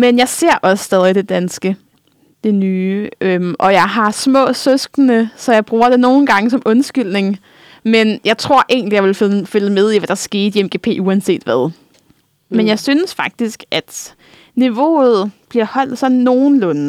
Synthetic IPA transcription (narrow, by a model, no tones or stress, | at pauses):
menjɑ̈ɪse̝ɐ̰ʔɒ̽ssd̥ɛð̞ˠid̥e̝d̥ænsɡ̥ə | d̥e̝nyːʔømʔɒ̽jɑ̈ɪɦɑ̈smɔ̰̽ːsøsɡ̥ənəsɒ̽jɑ̈ɪb̥ʁuːɐɾ̥e̝no̝ːn̩ɡ̥ɑ̈ŋəsɒ̽mʔɔ̽nsɡ̥yl̰ne̝ŋ | menjɑ̈ɪt͡sʰʁo̝ɐ̰ʔe̝̰ŋnlijɑ̈ʋe̝lfføləmeð̞ˠiʋæd̥ɑ̈sɡ̥e̝̰ːd̥iemɡ̥e̝ːpʰe̝̰ːuænse̝̰ːd̥ʋæð̞ˠ | menjɑ̈ɪsyːnəsfɑ̈ɡ̥̚d̥isɡ̥æd̥ | niʋo̝̰ːð̩ˠb̥liɐhɒ̽l̰d̥sɒ̽nːo̝ːn̩lɔ̽n